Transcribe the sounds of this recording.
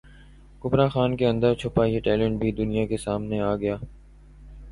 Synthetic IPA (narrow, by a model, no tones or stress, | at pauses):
kʊbɾaxaːnkeɐ̃nd̪əɾt͡ʃʰʊpaieʈɛːlə̃ɳʈbʱid̪ʊnijakesaːmneaːɡɐjaː